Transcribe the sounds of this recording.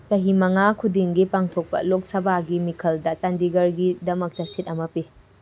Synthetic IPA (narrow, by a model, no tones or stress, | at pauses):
t͡ʃɐɦimɐŋakʰudiŋɡipaŋtʰok̚pɐ̰lok̚sɐbaɡimikʰɐldɐt͡ʃandiɡɐɾɡidɐmɐk̚tɐsit̚ɐmɐpi